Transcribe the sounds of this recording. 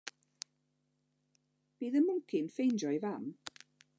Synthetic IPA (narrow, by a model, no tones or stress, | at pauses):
b̥iːðəmʊŋkʰɪnfejnd͡ʒɔjvam